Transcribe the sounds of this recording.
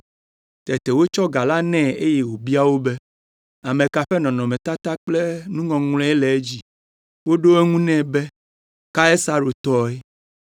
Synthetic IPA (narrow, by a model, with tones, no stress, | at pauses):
t̪ɛ˨t̪e˨wo˦t͡ʃɔ˦ɡa˨la˦nɛ̃˦˨e˦je˨wo˨bi˦a˦wo˦be˦ | a˨mẽ˨ka˨ɸɛ˦nɔ̃˨nɔ̃˨mɛ̃˨t̪a˦t̪a˦k͡ple˦nũ˦ŋɔ̃˨ŋlɛ̃˦ɛ˦le˨e˦d͡ʑi˨ | wo˦ɖo˦e˦ŋũ˦nɛ̃˦˨be˦ | ka˦e˦sa˦ɾo˨t̪ɔ˦ɛ˦